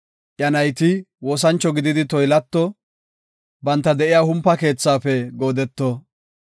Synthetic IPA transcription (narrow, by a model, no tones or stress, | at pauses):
ʔjɐnɐjt̪ɪ | woːs̬ɐnt͡ʃːɔɡɪd̪ɪd̪ɪt̪ɔjlɐt̪ːɔ | bɐnt̪ːɐd̪ɛʔɪjaːhʊmpːɐke̞ːt͡sːaːfɛɡo̞ːd̪ɛt̪ːɔ